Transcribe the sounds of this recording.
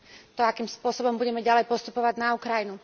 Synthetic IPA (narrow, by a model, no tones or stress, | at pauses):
t̪ɔakiːmspʊɔsɔbɔmbuɟɛmɛɟalɛjpɔst̪upɔʋaɟnaukɾajinu